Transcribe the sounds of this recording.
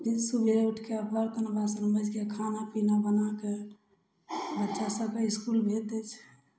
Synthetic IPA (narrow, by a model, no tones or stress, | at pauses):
isubʱeuʈʰkeəbəɾt̪ənbasənbəd͡ʒkekʰanapinabənake | bətːʃasəbkeiskulbʱet̪et͡ʃʰ